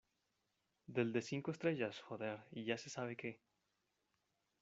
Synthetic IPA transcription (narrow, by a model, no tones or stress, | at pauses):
d̪e̞ld̪e̞siŋkoest̪ɾe̞ʝasxoðeɾiʝase̞saβe̞ke̞